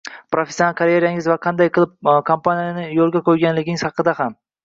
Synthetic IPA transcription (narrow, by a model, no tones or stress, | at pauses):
pɾofʲesːonalˠkʰaɾjeɾjaŋɪzvaqʰɑnd̪ajqʰɨlˠɪp̚kʰompanijanɪjolˠɡʲakʰojɡʲanlɪɡʲɪɪŋsɑqɨd̪aham